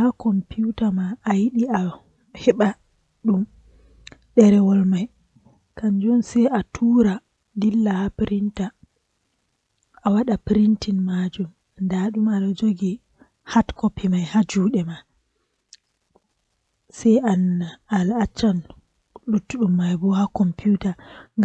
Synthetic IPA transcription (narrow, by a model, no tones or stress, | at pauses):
hakɔmpiutamaːjiɗia | hɛɓa | ɗum | ɗɛɾɛwɔlmaj | kand͡ʒɔnsɛjatʰuːɾa | dilːahapɾinta | awaɗapɾintinmad͡ʒum | ndaɗumaɗɔd͡ʒoɡi | hatkɔpːimajhad͡ʒuːɗɛma | sɛjʔanaalat͡ʃːan | lutːuɗumːajbɔhakɔmpijutaŋɡ